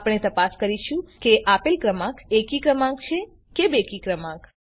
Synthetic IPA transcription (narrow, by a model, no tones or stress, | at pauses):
pɽ̃et̪əpaskəɾiʃũkeʔapelkɾəmãkekikɾəmãkt͡ʃʰe | kebekikɾəmãk